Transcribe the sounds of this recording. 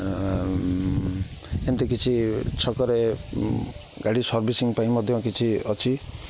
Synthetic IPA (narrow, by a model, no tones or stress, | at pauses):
ent̪ekit͡ʃʰit͡ʃʰɔkɔɾe | ɡaɽisɔɾbisiŋpaĩmɔd̪ʱjɔ̃kit͡ʃʰiɔt͡ʃʰi